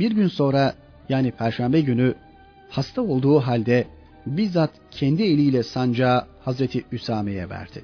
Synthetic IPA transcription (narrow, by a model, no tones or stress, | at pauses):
biɾɟynso̞nɾa | jaːnipʰæɾʃæmbɛɟyny | hast̪ʰao̞lˠd̪uːɦalʲd̪ɛ | biɾzat̪cʰɛnd̪ie̞lʲiːlʲɛsand͡ʒaːhazɾet̪ʰiysaːmejɛ̰væ̰ɾd̪̥ɪ̰